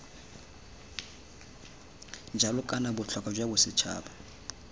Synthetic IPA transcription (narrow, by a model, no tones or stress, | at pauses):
nd͡ʒʱalɔkʼanabʊt͡ɬʰɔkʼad͡ʒwabʊsɪt͡ʃʰa̰ːba